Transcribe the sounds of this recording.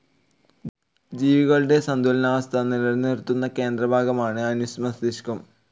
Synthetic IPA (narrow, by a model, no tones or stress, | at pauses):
d͡ʑiːʋiɣɐɭɨɽe̞sɐnd̪ʱulɐnaːʋɐst̪ʰɐnːilɐrnert̪ːunːɐke̞ːnd̪rɐbʱaːɡɐmaːɳɨɐnusmɐsd̪iɕkɐm